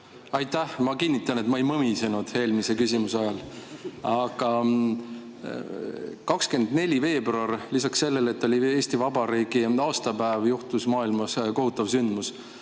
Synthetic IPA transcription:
ɑjt̪ːˑæhmɑkinʲːit̪ːˑɑnet̪mɑejmɤmise̞nud̪̥he̞ːlmise̞kys̬ʲimusɑjɑl | ɑɡ̥ɑ | kɑkske̞nd̪ne̞lʲive̞ːbruɑrlisɑkse̞lːe̞le̞t̪ːˑo̞lʲie̞ːsʲt̪ivɑbɑɾiːɡiɑːst̪ɑbæevjuht̪usmɑːilmɑsko̞ɦut̪ːˑɑvsynd̪mus

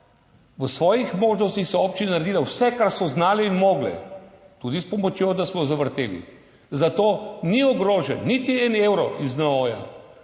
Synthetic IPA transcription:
ʋəsʋɔːjixmoːʒnɔst̪ixsɔoːp̚t͡ʃinanɐɾed̪iːlawsɛkaɾsɔznaːlɛinmoːɡlɛ̰ | t̪uːd̪ispɔmɔt͡ʃjod̪asmɔzaʋəɾt̪ḛːlḭ | zat̪oːniɔɡɾoːʒɛnːit̪iɛneːwɾɔʔiznaoːja̰

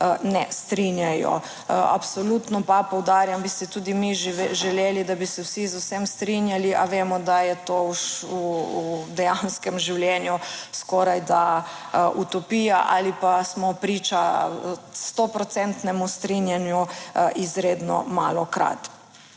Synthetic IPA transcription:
nɛst̪ɾinjajɔ̰ | a̰psɔlut̪nɔpapɔwd̪aːɾjambisɛt̪ud̪imiʒɛleːlid̪abisɛwsizuwsɛmst̪ɾinjaliʔaʋeːmɔd̪ajɛt̪oud̪ɛjanskɛmʒiwljɛnjuskɔɾajd̪a | ʔut̪ɔpiːjaʔa̰lipasmɔpɾiːt͡ʃa | st̪opɾɔt̪sɛnt̪nɛmust̪ɾinjanjuʔizɾeːd̪nɔ̰maːlɔkɾa̰t̪

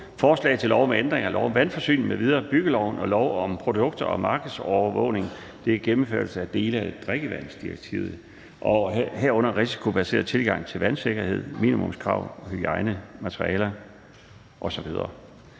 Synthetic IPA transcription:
fɒːslɛ̰ɪt͡sʰe̝lɒʊmeend̥ʁeŋɐlɒʊɒmʋænfɒ̽sy̰ːn̩meʋið̞ˠɐːb̥yɡ̥əlɒʊ̰nɒ̽lɒʊɒ̽mpʰʁo̝d̥ɔ̽ɡ̥̚d̥ɐɒ̽mɑ̈ːɡ̥ð̩ˠsɒʊɐʋɔ̰ʊne̝ŋ | d̥e̝æɡ̥emm̩føɐl̩səæd̥e̝ːləæe̥d̥ʁeɡ̥əʋæn̰sd̥iʁeɡ̥̚t͡sʰḭʊð̩ˠ | ʔɒ̽heɐ̰ɔ̽n̰ɐʁisi̥kʰo̝b̥æse̝̰ːɐð̩ˠt͡sʰe̝lɡ̥ɑ̈ŋ̰t͡sʰe̝lʋænse̝ɡ̥ɐhe̝ð̞̰ˠmḭnimɔmskʰʁɑ̈ʊhyɡ̥ɑ̈ɪnəmæt͡sʰʁḭɛːlɐ | ʔɒ̽sɒ̽ʋið̞ˠɐ̰

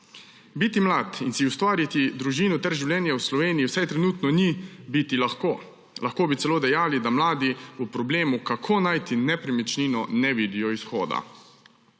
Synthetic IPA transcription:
bit̪imlaːt̪insiust̪ʋaːɾjit̪id̪ɾuʒiːnut̪ɛɾʒiwlʲjɛːnjawslɔʋeːniːwsɛjt̪ɾɛnuːt̪nɔnibit̪ilaxkoː | laxkoːbitsɛloːd̪ɛjaːlid̪amlaːd̪iupɾɔbleːmukakʰoːnajt̪inɛpɾɛmit͡ʃninɔnɛʋid̪ijɔisxoːd̪a̰

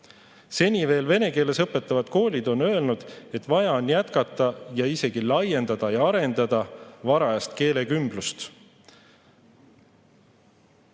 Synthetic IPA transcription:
se̞nʲive̞ːlve̞ne̞ke̞ːle̞sɤpːe̞t̪ːˑɑvɑd̪̥ko̞ːlʲid̪̥o̞nø̞e̞lnud̪̥e̞t̪ːˑvɑjɑo̞njæt̪kɑt̪ˑːɑjɑise̞ɡ̥ilɑje̞nd̪ɑd̪̥ɑjɑɑɾe̞nd̪ɑd̪̥ɑvɑɾɑjɑst̪ke̞ːle̞kymb̥lust̪

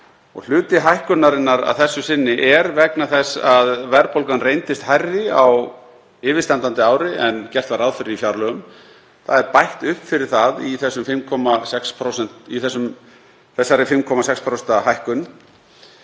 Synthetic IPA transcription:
ɔ̰ɣl̥ʏːt̪ɪɦajhkʏnːaɾɪnːaɾa̰ðθɛsːʏsɪnːɪʔɛɾvɛknaθɛsːaðvɛɾpowlkanrejnt̪ɪst̪hajrːɪaw | ɪːvɪ̥st̪ant̪ant̪ɪaːwɾɪɛncɛr̥t̪vaɾaðfʏɾɪifjawɾlœɣʏm | θaðɛɾpajht̪ʏhpfɪɾɪɾ̥θaðiθɛsːʏmfɪmkʰɔmasɛkspʰɾowsɛn̥t̪iθɛsːʏm | θɛsːaɾɪfɪmkʰɔmasɛkspʰɾost̪aɦajhkʏn

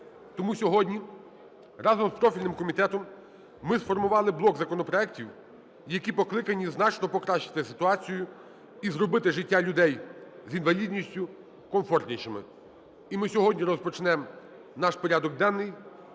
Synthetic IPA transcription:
t̪ɔmusʲɔɦɔdʲnʲi | rɑzɔmspɾɔfʲilʲnɪmkɔmʲit̪ɛt̪ɔmː | ɪsfɔrmʊʋɑlˠɪblˠɔkzɐkɔnɔpɾɔɛktʲiw | jɐkʲipɔklˠɪkɐnʲiznɑt͡ʃnɔpɔkɾɑʃɪ̥t̪ɪsɪt̪ʊɑt͡sʲijʊ | izrɔbɪt̪ɪʒɪtʲːalʲʊd̪ɛjzinʋɐlʲid̪ʲnʲisʲtʲʊ | kɔmfɔrt̪ʲnʲiʃɪmɪ̰ | imɪsʲɔɦɔdʲnʲiɾɔspɔt͡ʃnɛm | nɑʃpɔɾʲad̪ɔɡ̚d̪ɛnːɪj

